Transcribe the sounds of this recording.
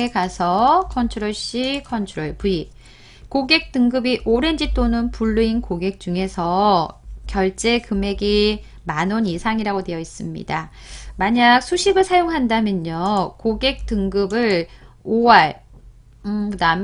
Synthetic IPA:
ekasʰʌkʰʌntʰuɾoɭɕ͈ikʰʌntʰuɾoɭpui | koɡe̞k̚t͈ɯŋɡɯbiʔoɾe̞nd͡ʑit͈onɯnpuɭːuinkoɡe̞k̚t͡ɕ͈uŋe̞sʰʌ | kjʌɭt͡ɕ͈e̞kɯme̞ɡi | manonisʰaŋiɾaɡote̞ʌis͈ɯmɲḭda | maɲak̚sʰuɕʰiɡɯɭsʰajoŋɦandamjʌɲokoɡe̞k̚t͈ɯŋɡɯbɯɭ | owaɭ | ɯkɯdam

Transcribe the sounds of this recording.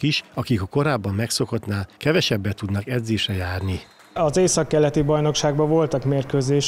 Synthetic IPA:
kiʃɒkikɒko̞ɾaːbːɒmːɛkso̞ko̞t̪naːlkɛvɛʃɛbːɛt̪ud̪nɒkɛd̪zeːʃrɛjaːrni | ɒzeːsɒkːɛlːɛt̪ibɒjno̞kʃaːɡbɒvo̞lt̪ɒkmeːrkøːzeːʃ

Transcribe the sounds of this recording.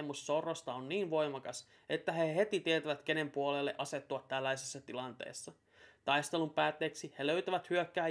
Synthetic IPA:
musːorːost̪ɑonːiːnʋo̞jmɑkɑs | et̪ːæɦeɦe̞t̪it̪iet̪æʋæt̪k̟e̞ne̞mpuolelːḛʔɑse̞t̪ːuɑt̪ːælːæjsesːɑt̪ilɑnt̪ḛːsːɑ | t̪ɑjst̪e̞lumpæːt̪ːeːksiheløɥt̪æʋæt̪hyøkːæː

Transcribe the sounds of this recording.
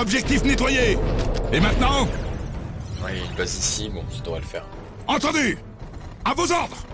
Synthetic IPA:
ɔbʒɛk̚t̪ifnet̪wajeemɛ̃t̪nɑ̃ | wɛilpasisibɔ̃sad̪əʁɛləfɛ̰ːʁ | ɑ̃t̪ɑ̃d̪y | avozɔʁd̪ʁ

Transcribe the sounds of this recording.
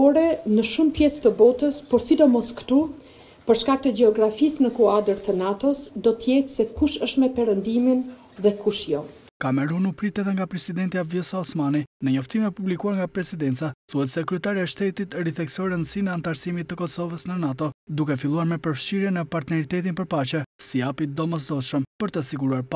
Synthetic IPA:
ɔɾɛnəʃumpjɛst̪əbɔt̪əspɔɾsid̪ɔmɔskə̥t̪u | pəɾʃkak̚t̪əd͡ʑɛɔɡɾafisnəkuad̪əɾt̪ənat̪ɔsd̪ɔt̪əjɛt̪sɛkuʃəʃt̪mɛpɛɾənd̪imin | ðɛkuʃjɔ | kamɛɾunupɾit̪ɛðɛŋɡapɾɛsid̪ɛnt̪iavjɔsaɔsmaninəɲɔft̪imɛpublikuaɾŋɡapɾɛsid̪ɛnt̪t͡saθuɛt̪sɛkɾyɛt̪aɾiaɛʃt̪ɛt̪it̪ɛɾiθɛksɔjɾənd̪sinɛant̪aɾsimit̪ːəkɔsɔvəsnənat̪ɔd̪ukɛfilˠuaɾmɛpəɾfʃiɾjɛnəpaɾt̪nɛɾit̪ɛt̪̬inpəɾpat͡ɕɛsijapid̪ɔməzd̪ɔʃəmpəɾt̪əsiɡuɾuaɾpa

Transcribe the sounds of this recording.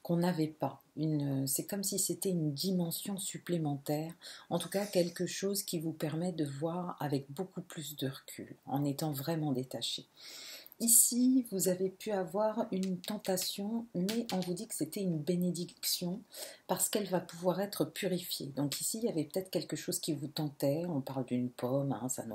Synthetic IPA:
kɔ̃navɛpaynøsɛkɔmsiset̪ɛynd̪imɑ̃sjɔ̃syplemɑ̃t̪ɛːʁɑ̃t̪ukakʲɛlkəʃozkʲivupɛʁmɛd̪əvwaʁa̰vɛk̚bokuplys̬d̪əʁəkʲʰy̰lɑ̰̃net̪ɑ̃vʁɛmɑ̃d̪et̪aʃḛ | isivuzavepyavwaʁynt̪ɑ̃t̪asjɔ̃mɛʔɔ̃vud̪ikə̥set̪ɛynbened̪iksjɔ̃paʁsə̥kɛlvapuvwaʁɛt̪χəpyʁifjḛd̪ɔ̃kisiljavɛpə̥t̪ɛt̪χə̥kʲɛlkəʃoz̥kʲivut̪ɑ̃t̪ɛɔ̃paʁld̪ynpʰɔmɛ̰̃sa̰n

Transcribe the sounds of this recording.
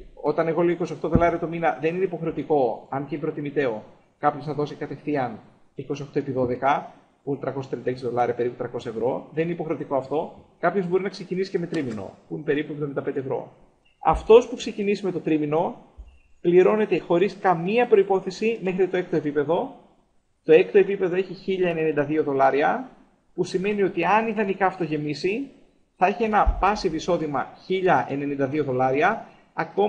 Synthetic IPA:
o̞t̪ɐne̞ɣo̞lioiko̞sio̞xt̪o̞ðo̞lɐɾiɐt̪o̞minɐðe̞nineipo̞xɾe̞ot̪iko̞ɐnceimpɾo̞t̪imit̪e̞o | kɐpçosθɐðo̞sikɐt̪efθiɐn | iko̞sioxt̪o̞epiðo̞ðe̞kɐ | punt̪ɾɐkost̪ɾiɐnd̪ɐeksiðo̞lɐɾiɐpe̞ɾiput̪ɾɐko̞sɐe̞vɾo̞ðe̞nineipo̞xɾe̞o̞t̪iko̞ɐft̪o̞kɐpço̞zbo̞ɾinɐksecinisi̥ce̞me̞t̪ɾimino̞̰punpe̞ɾipuevðomind̪ɐped̪evɾo̞̰ | ɐ̰ft̪o̞spukse̞cinisime̞t̪o̞t̪ɾimino̞ | pliɾo̞ne̞t̪e̞xo̞ɾiskɐmiɐpɾo̞ipo̞θe̞sime̞xɾit̪o̞e̞k̚t̪o̞e̞pipe̞ðo̞ | t̪o̞e̞kt̪o̞e̞pipe̞ðo̞e̞çiçiʎɐene̞nind̪ɐðio̞ðo̞lɐɾiɐ | pusime̞nio̞t̪iɐniðɐnikɐːft̪o̞ʝe̞misi | θɐeçie̞nɐpɐsiviso̞ðimɐ̰çiʎɐʔe̞ne̞nind̪ɐðio̞ðo̞lɐɾiɐ | ɐko̞

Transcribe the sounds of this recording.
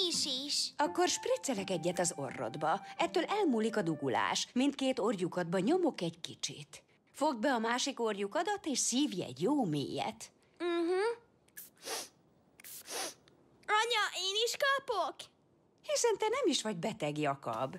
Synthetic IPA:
iʃiʃɒko̞rʃprit̪sɛlɛkɛɟːɛt̪ɒzo̞̰rːo̞̰d̪bɒɛt̪ːøːlʔɛlmuːlikɒd̪uɡula̰ːʃmint̪̚keːt̪o̞rjukɒd̪̚bɒɲo̞mo̞kɛɟkit͡ʃḭt̪ | fo̞ɡbɛɒmaːʃiko̞rjukɒd̪ɒt̪eːʃsiːvjɛ̰ɟjoːmḛːjɛ̰t̪̩ | ɦ̩ | ɒɲɒʔeːniʃkɒpok | hisɛnt̪ɛnɛmiʃʋɒɟbɛt̪ɛɡiɒkɒ̰b

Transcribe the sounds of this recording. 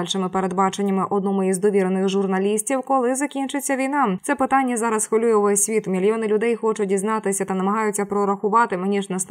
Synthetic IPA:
lʲʃɪmɪpeɾed̪bɑt͡ʃenʲːɐmɪʔɔd̪nɔmʊizd̪ɔʋʲiɾnɪxʒʊrnɐlʲisʲtʲiwkɔlˠɪzɐkʲint͡ʃɪt͡sʲːɐʋʲijnɑtsɛpɪt̪ɑnʲːɐzɑɾɐsxʋɐlʲujɛʊʋɛsʲʋʲit̪mʲilʲjɔnɪlʲʊd̪ɛjxɔt͡ʃʊdʲiznɑt̪ɪsʲɐt̪ɐnɐmɐɦɑjʊt͡sʲːɐpɾɔɾɐxʊʋɑt̪ɪmɪnʲiʒnɛst̪

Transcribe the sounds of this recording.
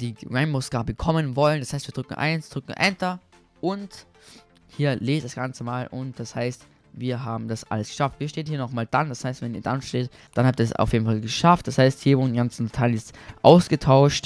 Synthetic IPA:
d̥iːʁaɪmbʊskaːbəkʰɔmənvɔləndashaɪstviːɐdʁʏkŋ̩ʔa̰ɪnsd̥ʁʏkŋ̩ʔɛntɐ | ʔʊnt | hiːɐleːd̥asɡ̥ant͡səmaːlʔʊ̰nt̚d̥ashaɪst | viːɐɦaːbm̩dasʔa̰ləsɡ̥ə̥ʃaftv̥iːʃteːnhiːɐnɔχmaːldandashaɪstv̥ɛniːɐdanʃteːt | d̥anhap̚tiːɐɛsa̰ʊfjeːdn̩falɡəʃaft̚d̥ashaɪsthiːɐvʊnɡant͡sn̩tʰanɛsʔa̰ʊsɡ̥ətʰaʊʃt

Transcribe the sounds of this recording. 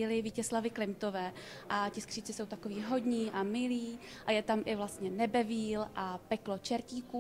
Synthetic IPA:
ɪlɪviːcɛslavɪklɪmt̪o̞vɛː | ʔacɪskr̥iːt͡sɪso̞wt̪akoviːɦo̞dɲiːʔamɪliː | ʔajɛt̪amʔɪvlast̪ɲɛnɛbɛviːlʔapɛklot͡ʃɛɾciːku

